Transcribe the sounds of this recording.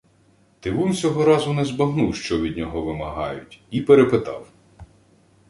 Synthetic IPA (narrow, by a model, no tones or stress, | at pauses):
t̪ɪʋunsʲɔɦɔɾɑzʊnɛzbɐɦnuwʃt͡ʃɔʋʲid̪̚ʲnʲɔɦɔʋɪmɐɦɑjʊtʲipeɾepɪt̪ɑ̰w